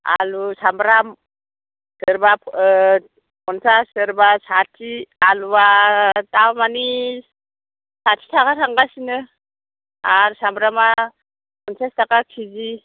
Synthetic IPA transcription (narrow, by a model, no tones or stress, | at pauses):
a̰lusambɾam | səɾbapʰ | pʰɔnsasɯɾbasatʰialuatawmani | satʰitʰakaɾʰaŋɡasinɯ | aɾsambɾama | pɔnsastakakʰizi